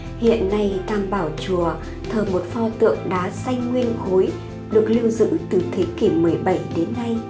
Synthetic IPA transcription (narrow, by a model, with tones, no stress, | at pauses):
hḭ˧˨ənːa˧jt̪aː˧˩mɓaː˧˩wt͡ɕu˨˩ə | t̪ʰəː˨˩mo˨˩t̚fɔ˧t̪ɨ̰˧˨əŋɗaː˨˦sa˧jŋŋwi˧ənxo˨˦j | ɗɨ˨˩ə˩k̚li˧əwzɨ̰˧˥t̪ɨ˨˩t̪ʰe˨˦ki˧˩mɨ˨˩əjɓa˧˩jɗe˨˦nːa˧j